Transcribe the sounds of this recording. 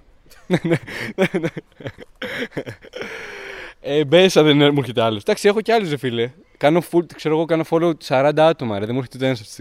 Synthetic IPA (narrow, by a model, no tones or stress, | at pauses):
nenenene | ebesɐðenmueçet̪eɐlosd̪ɐksie̞xoceɐlozefile | kɐnofukseɾoɣo̞kɐno̞folosɐɾɐnd̪ɐɐt̪o̞mɐeɾɐðemueɾçet̪t̪ensɐft̪i̥st̪i